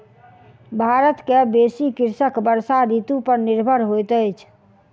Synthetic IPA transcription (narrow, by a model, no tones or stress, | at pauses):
bʱaɾət̪kebesikiɾsəkbəɾsaɾit̪upəɾniɾbʱəɾɦojt̪əjt͡ʃʰ